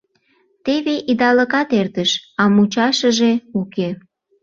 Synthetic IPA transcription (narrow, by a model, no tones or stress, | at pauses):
t̪eβeʔid̪ɑləkɑt̪ert̪əʃɑmut͡ɕɑʃəʒeuke